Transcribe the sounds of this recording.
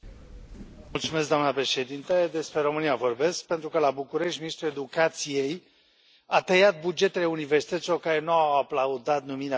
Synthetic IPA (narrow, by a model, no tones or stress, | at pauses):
multsumesk̚d̪oamnəpɾe̞ʃe̞d̪int̪ed̪e̞spɾe̞ɾo̞mɨnijavo̞rbe̞sk̚pe̞nt̪ɾukəlabukuɾe̞ʃt̪ʲminist̪ɾue̞d̪ukat̪sije̞j | at̪ejat̪̚bud͡ʒe̞t̪e̞leuniversi̥t̪ət̪silo̞rkaɾe̞nuawaplaud̪at̪numiɾea